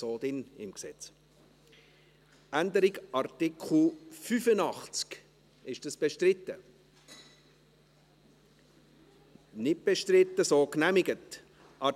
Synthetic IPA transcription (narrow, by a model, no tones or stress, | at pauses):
oːdɪnɪ̰mksɛt͡s | ʔændəɾɪɡɑrtɪkʰχl̩fyfənɑχt͡sk | ɪʃd̥ɑsb̥ɛʃtrɪtːə | nɪt̚b̥eʃtrɪtːəsoːknæmɪɡət | ʔɑ